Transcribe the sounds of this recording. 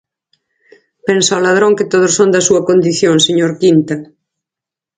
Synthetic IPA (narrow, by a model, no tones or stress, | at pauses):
pensawlað̞ɾõŋket̪oð̞osond̪ɐsuɐkond̪iθjoŋseɲoɾkint̪ɐ